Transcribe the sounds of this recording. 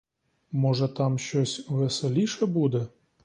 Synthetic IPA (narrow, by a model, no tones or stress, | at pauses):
mɔʒɛt̪ɑmʃt͡ʃɔsʲʋeselʲiʃɛbud̪ɛ